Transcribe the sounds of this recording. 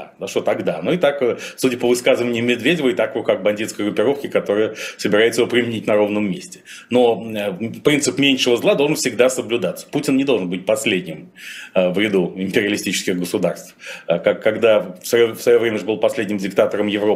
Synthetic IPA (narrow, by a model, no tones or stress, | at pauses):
azɐʂt̪ot̪ɐɡd̪anoɪt̪akəsudʲɪpəvɨskazɨvənʲɪʊmʲɪd̪vʲedʲɪvəɪt̪akokak̚bɐnʲdʲit̪skəjɡrʊpʲːɪɾo̞fkʲɪkɐt̪o̞ɾɨjəsəbʲɪɾajɪt̪səjɪvopɾʲɪmʲɪnʲitʲnɐɾo̞vnəmːʲesʲtʲɪ̥ | no̞əpɾʲint̪sɨpmʲenʲʂəvəzlˠad̪olˠʐənfsʲɪɡd̪asəblʲʉd̪at̪sə̥putʲɪnnʲɪd̪olˠʐənbɨt̚ʲpɐsʲlʲedʲnʲɪməvɾʲɪd̪uɪmʲpʲɪɾʲɪɐlʲɪsʲtʲit͡ɕɪ̥skʲɪɣɡəsʊd̪arst̪fəkakːɐɡd̪afsvɐjofsvɐjo̞vɾʲemʲəʐɨbɨlˠpɐsʲlʲedʲnʲɪmdʲɪk̚t̪at̪əɾəmjɪvɾo